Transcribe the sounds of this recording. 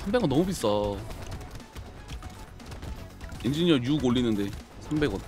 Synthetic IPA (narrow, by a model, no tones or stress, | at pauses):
sʰambe̞ɡʌnʌmubis͈ʌ | ind͡ʑiɲiʌjuɡoɭːinɯnde̞ | sʰambe̞ɡwʌn